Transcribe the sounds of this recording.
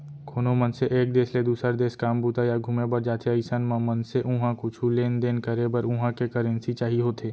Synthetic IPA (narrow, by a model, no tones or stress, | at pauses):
kʰoːnomɐnseʔeːk̚d̪eːsled̪uːsəɾd̪eːskaːmbʱuːt̪ajaɡʱuːmebɐɾd͡ʒaːt̪ʰeɐɪsənmãmɐnseʔʊɦãkʊt͡ʃʰuleːnd̪eːnkəɾebɐɾʊ̃ɦãkekəɾə̃nsit͡ʃaːɦiɦoːt̪ʰeː